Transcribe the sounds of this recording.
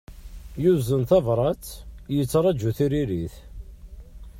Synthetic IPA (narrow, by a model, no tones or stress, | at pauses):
juzənθɑvɾˤɑt͡sjət͡sːɾˤɑd͡ʒːuθiɾiɾiθ